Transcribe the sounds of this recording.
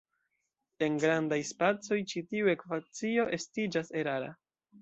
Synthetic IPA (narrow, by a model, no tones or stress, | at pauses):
e̞nɡɾandajspat͡so̞jt͡ʃitiue̞kvat͡sio̞ʔe̞stid͡ʒase̞ɾaɾa̰